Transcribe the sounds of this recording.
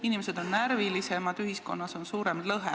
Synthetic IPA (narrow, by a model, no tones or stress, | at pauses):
inimese̞d̪̥o̞nːæɾvilise̞mɑd̪̥yɦisko̞̰nːɑso̞nsuːɾemlɤɦe